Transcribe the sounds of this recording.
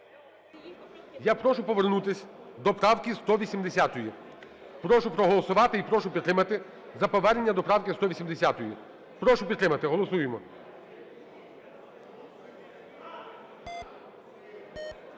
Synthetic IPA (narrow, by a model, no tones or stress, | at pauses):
japɾɔʃʊpɔʋernut̪ɪsʲd̪ɔpɾɑwkʲist̪ɔʋʲisʲimd̪esʲat̪ɔjipɾɔʃʊpɾɔɦɔlˠɔsʊʋɑt̪ɪipɾɔʃʊpʲid̪t̪ːɾɪmɐt̪ɪ | zɐpɔʋɛrnenʲːɐd̪ɔpɾɑwkɪst̪ɔʋʲisʲimd̪esʲat̪ɔjḭ | pɾɔʃʊpʲid̪ɾɪmɐt̪ɪɦɔlˠɔsujemɔ